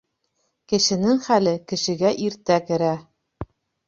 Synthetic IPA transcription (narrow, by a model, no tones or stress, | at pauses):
kɘ̆ʃɘ̆nɘŋχælɘkɘ̆ʃɘ̆ɡæʔiɾt̪ækɘ̆ɾæ